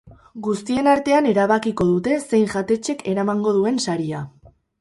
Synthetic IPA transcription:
ɡust̪ie̞naɾt̪e̞ane̞ɾaβakiko̞ðut̪e̞se̞jŋʝat̪e̞t͡ʃe̞ke̞ɾamaŋɡo̞ð̞ue̞nsaɾia

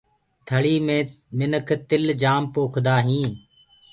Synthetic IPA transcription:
t̪ʰəɭiːmẽː | mɪnəkʰt̪ɪld͡ʒaːmpoːkʰd̪aːɦĩː

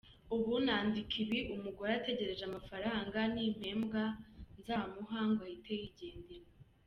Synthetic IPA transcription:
uβunaːndikʰiβiʔumuɡoate̞ɟe̞ɾe̞zamafaɾaːŋɡanim̥he̞ːmbɡanzaːmuɦaːŋɡwajitejiɟe̞ːndiɾo

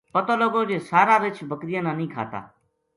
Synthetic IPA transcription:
pət̪oːloɡoːd͡ʒeːsaːɾaːɾɪt͡ʃʰbʱəkɾijãːnãːnĩːkʰa̰ːt̪a̰ː

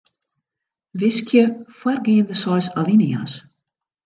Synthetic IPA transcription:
ʋɪskʰjəfwɛrɡiːəndəsɔjsalinia̰s

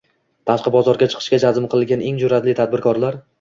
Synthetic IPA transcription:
t̪ʰaʃqɨbɒzɒɾɡʲat͡ʃʰɨ̥qʰɨ̥ʃkʲad͡ʒazɪmqʰɨlˠɪlɡʲanʔeŋd͡ʒʊɾat̪lɪt̪ʰad̪̚bɪɾkʰɒɾlaɾ

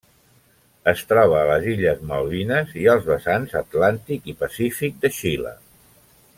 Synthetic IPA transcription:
əst̪ɾɔβ̞əːləziʎəzmə̰wlinəziəlˠzβəsanzət̪lant̪ikipəsifik̚d̪əʃilə̰

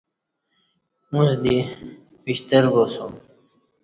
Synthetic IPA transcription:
mũzd̪i | biɕt̪əɾbosum

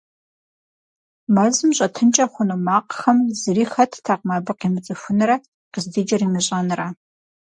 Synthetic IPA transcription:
mɐzɨmɕʼɐtʰɨnt͡ʃʼɐχʷʊnumaːqxɐmzɨriːxɐtʰtʰaːqmɐbɨqiːmɨt͡sʼɨfʷʊnɨɾɐ | qəzded͡ʒɐriːmɨɕʼɐnra

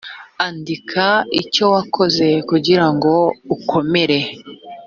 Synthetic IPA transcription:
andikʰaḭco̞wakʰo̞ze̞kuɟiɾaŋɡo̞ukʰo̞me̞ɾe̞

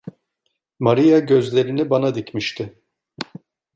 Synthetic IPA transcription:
maɾijaɟø̞zlʲe̞ɾinibanad̪icmiʃt̪ʰɪ

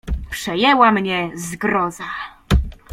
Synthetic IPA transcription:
pʂɛjɛwamɲɛzɡɾɔza

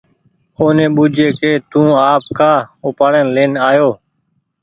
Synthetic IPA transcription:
oːnẽːɓʊd͡ʒʱeːkeːt̪ũːaːp̚kaːʊpaːɽeːnleːnaːjoː

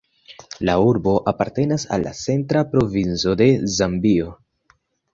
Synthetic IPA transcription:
lauɾbo̞ʔapaɾte̞nasa̰lːa̰t͡se̞ntɾapɾo̞vint͡so̞de̞zambio̞

